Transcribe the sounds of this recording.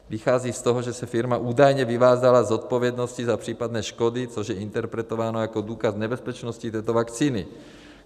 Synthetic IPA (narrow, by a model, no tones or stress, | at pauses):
vɪxaːziːst̪oɦoʒɛsɛfɪɾmaʔuːdajɲɛvɪvaːzalazot̪̚po̞vjɛdno̞scizapr̥iːpadnɛːʃkodɪt͡so̞ʒjɛɪnt̪ɛɾpɾɛt̪o̞vaːnojako̞duːkaznɛbɛspɛt͡ʃnoscit̪ɛːt̪ovakt͡siːnɪ